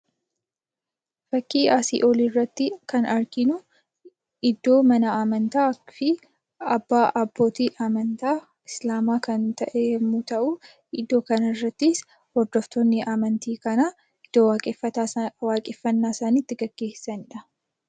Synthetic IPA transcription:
b̥ɐkːiːʔaːsḭːʔolirːɐt̪ːɪkɐnɐɾɡɪnʊ | ɪd̪ːo̞ːmɐnɐaːmɐnt̪aːfɪ | ɐbːaːʔɐbːo̞ːt̪iːʔamɐnt̪aː | ɪslaːmaːkɐnt̪ʰɐʔɛmːut̪ɐʔʊ | ɪd̪ːo̞ːkɐnɐɪrːɐt̪ːɪs | hɔɾd̪ɔft̪ɔnːɪaːmɐnt̪iːkɐna | ɪd̪̥okʼɛɐwaːkʼɪfːɐnːaːsaːnit̪ːɪɡɐɡ̥ːe̞ːsːɐnɪᶑɐ

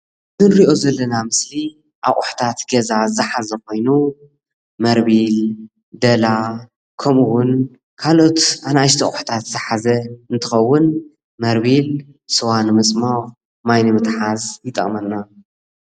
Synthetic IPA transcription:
zɨnɾiʔo̞zɐlːɐnamɨsli | ʔa̰ʔʼʊħt̪ʰat̪ɡɐzazɨħazɐko̞jnu | mɐɾbil | d̪ɐla | kʰɐmɨwʊn | kʰalo̞t̪anajʃ̬t̪ʰɐ̰χʼʊħt̪ʰat̪zɨħazɐɨnt̪ʰɨxɐwːʊn | mɐɾβil | sɨwanmɨt͡sʼmax | majnɨmɨt̪ħazjɪt̪ʼɐ̰kʼmɐnːa

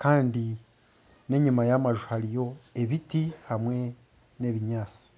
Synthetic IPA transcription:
kaːndi | ne̞ɲimajamaʒuhaɾijo̞e̞βitihamwe̞ | ne̞ːβiɲaːt͡si̥

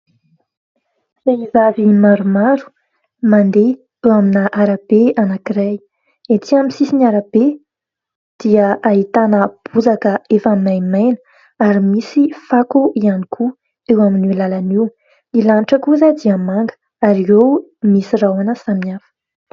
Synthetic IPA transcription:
z̥eizavimaɾumaɾu̥ | mand̪e | ewaminaʔaɾab̥eanakiɾaj | et̪iaminsisinaɾab̥e | d̪̥iəʔaɦit̪anəb̥uzakəefaminajmajnə̥ | aɾimisifakuʔianikʰu | ewaminulalaniw | ilanʈ͡ʂəkuzad̪iəmaŋɡə̥ | aɾiewmisirawanəsamafə̥

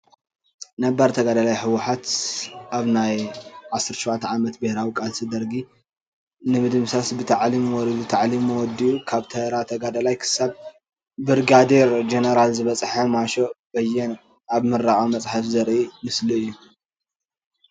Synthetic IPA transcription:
nɐbaɾt̪ʰɐɡad̪alajħɨwʊħat̪ʔaβnajʕasɨɾt͡ʃɐwat̪ʰʕamɐt̪bɨhɾawikʼalsid̪ɐɾɡi | nɨmɨd̪ɨmsasbɨt̪ʰaʕlimwɔɾid̪ut̪ʰaʕlimːɨwɔd̪iukʰaβt̪ʰɐɾat̪ʰɐɡad̪alajkʰɨ̥sab | bɨɾɡad̪eɾd͡ʒenɐɾalzɨβɐt͡sʼħɐmaʃo̞bɐjɛn | aβmɨrːaɣʼamɐt͡sʼħafzɐɾʔimɨsliɨjːu

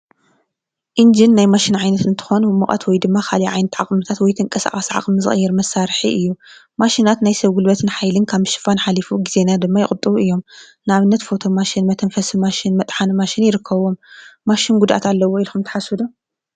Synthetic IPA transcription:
ʔind͡ʒinːajmaʃɪnʕajnɐt̪ɨnt̪ʰɨ̥xonbɨmɨχʼɐ̰t̪wɔjd̪ɨmːakʰaliʕajnɐt̪ʰʕaχʼmɨt̪ʰat̪wɔjt̪ʰɨŋkʼɐsa̰χʼasʕa̰χʼmɨzɨ̰xʼjːɛɾmɐsːaɾħiʔɨjːu | maʃinat̪najsɐβɡulbɐt̪ʰɨnħajlɨnkʰaβʃɪ̥fanħalifuɡize̞nad̪ɨmːajɪxʼɨt̪ʼːɨβuɨjːo̞m | naβɨnːɐt̪fo̞t̪ʰo̞maʃɪnmɐt̪ʰɐnfɐsimaʃɪnmɐt̪ʼħanmaʃɪnjɪɾɨkʰːɐβo̞mːaʃɪnɡud̪ʔa̰t̪alːɐwoilxʰumt̪ʰɐ̥ħasɨd̪u

